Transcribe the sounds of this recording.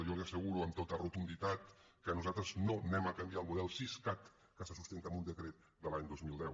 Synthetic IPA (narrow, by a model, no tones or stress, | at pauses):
ʒoleasəɣuɾuəmt̪ot̪ərut̪und̪it̪at̪ | kənuzat̪ɾəznonɛməkambiaəlˠmuðɛlˠsiskat̪ | kəsəsust̪ent̪əmund̪əkɾet̪̚ | d̪əlaɲd̪ozmilˠd̪ɛw